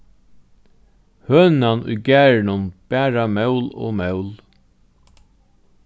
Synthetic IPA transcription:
høːnanʊ̰jɡæːɹɪnʊnb̥æːɹamœwlo̰ːmɛwl

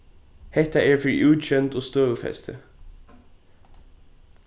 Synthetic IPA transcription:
hɛt̪ʰæʔeːɹfɹḭːʔʉːɕɛnt̪oːst̪øːʉfɛ̰st̪ʰə

